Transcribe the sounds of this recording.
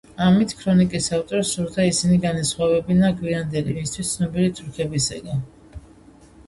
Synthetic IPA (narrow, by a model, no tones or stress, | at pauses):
amit̪ʰkʰɾɔnikʼisaft̪ʼɔɾsuɾd̪aisiniɡanasχwavɛbinaɡwiand̪ɛlimist̪ʰwist̪sʰnɔbiɾit̪sʼɾukʰɛbisa̰ɡa